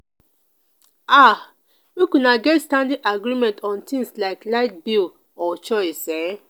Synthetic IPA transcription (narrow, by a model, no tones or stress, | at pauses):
a | wikũnaɡɛtstãndĩʔaɡɾimɛ̃ntʰɔ̃ntʰĩŋslaɪklaɪt̚bil | ɔt͡ʃɔɪsɛ